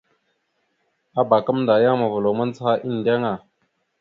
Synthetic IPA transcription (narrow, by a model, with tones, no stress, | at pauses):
a˦ba˨ka˦mnda˨ja˦ŋma˨və˨lo˨ma˦n˦t͡sha˦ʔi˦n˨da˦ŋa˨